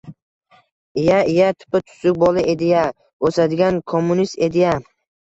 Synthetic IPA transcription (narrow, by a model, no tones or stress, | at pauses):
ɪjaɪjat̪ʰɪ̥pɪt̪ʰʊ̥sʊk̚ʲbɒlˠɪʔe̞d̪ɪja | ɵsad̪ɪɡʲankʰomːunist̪e̞d̪ɪja